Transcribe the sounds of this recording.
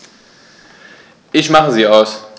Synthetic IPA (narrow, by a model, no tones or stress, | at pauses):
ʔɪçmaχəziːaʊs